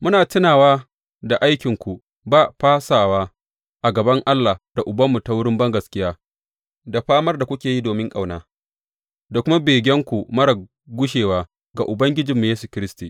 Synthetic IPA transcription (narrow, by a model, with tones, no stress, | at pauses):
mʊ˦naː˨tɪ˦naː˨waː˦ | da˨ʔa˦jkʲɪ˨ŋkʷu˨ | baː˦˨ɸaː˦saː˨waː˦ | ʔa˨ɡɐ˨bɐ˦ŋʔa˦lːa˨d̥a˨ʔʊ˨bɐ˦mːu˨ta˦wʊ˦ɽɪ˦mbɐ˦ŋɡɐ˨skʲɪ˦jaː˦ | da˨ɸaː˦mɐ˦rda˨kʷʊ˦kʲeː˨ji˦doː˨mɪ˦ŋkʼa˨wnaː˦ | da˨kʷʊ˦ma˦beː˨ɡʲɛ˦ŋkʷu˨mɐ˦ɽɐ˨ | ɡʷʊ˦ʃeː˨waː˦ | ɡa˨ʔʊ˨bɐ˦ŋɡʲɪ˦d͡ʒɪ˨mːu˨jeː˦su˨kʲɪ˦ɾɪ˦stiː˨ʔ